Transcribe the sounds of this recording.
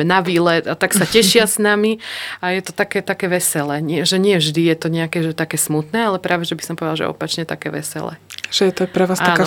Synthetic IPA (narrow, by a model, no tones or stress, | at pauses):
ɛnaʋiːlɛt̪at̪aksacɛʃɪasnamiajɛt̪ɔ̥t̪akɛːt̪akɛːʋɛsɛlɛːɲɪɛʒɛɲɪɛvʒd̪ijɛt̪ɔɲɛakɛʒɛt̪akɛːsmut̪nɛːalɛpɾaːʋɛʒɛbisɔmpɔʋɛd̪alʒɛ̰ʔɔ̰pat͡ʃɲɛt̪a̰kɛ̰ːʋɛ̰sɛ̰lɛ̰ːʒ̥ɛjɛt̪ɔpɾɛʋaːsaaːnka